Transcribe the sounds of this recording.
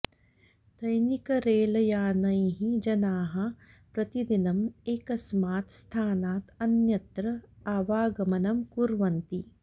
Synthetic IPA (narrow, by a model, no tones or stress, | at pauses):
sɐjnikɐɾeːlɐjaːnɐjɦid͡ʒɐnaːɦɐ̆ | pɾɐt̪id̪inɐmeːkɐsmaːt̪st̪ʰaːnaːt̪ɐnjɐt̪ɾɐaːʋaːɡɐmɐnɐmkuɾʋɐnt̪i